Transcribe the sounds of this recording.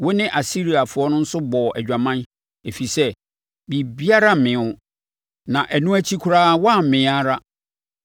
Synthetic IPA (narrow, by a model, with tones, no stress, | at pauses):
wɔ˦nɪ̃˦ʔa˨si˦ɾi˨a˨fʊ˨ɔ˦nʊ̃˦n̩˦sʊ˦bɔ˨ʔæ̰˨d͡ʑᶣa˨mã˦n | e˨fi˨sɛ˦ | bi˨bi˦a˦ɾa˦˨mɪ̃˨˦ʊ̃˦ | nã˨ʔæ˨nũ˦æ˦t͡ɕʰi˦kʰʊ˦ɾaː˦wɔ˦a˦˨m̩˨mɪ̃˨˦a˦ɾa˦